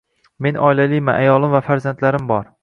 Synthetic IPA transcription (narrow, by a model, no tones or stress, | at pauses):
me̞nʔɒjlalɪjmaʔajɒlˠɪmvafaɾzant̪laɾɪmbɒɾ